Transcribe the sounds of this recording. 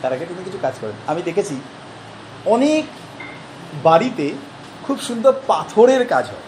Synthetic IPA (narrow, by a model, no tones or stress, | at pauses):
t̪aɾaɡet̪unikit͡ɕʰukad͡ʑkɔɾenamid̪ekʰet͡ɕʰi | ɔnek | baɽit̪e | kʰubʃund̪ʱoɾpat̪ʰoɾeɾkad͡ʑɦɔ̰e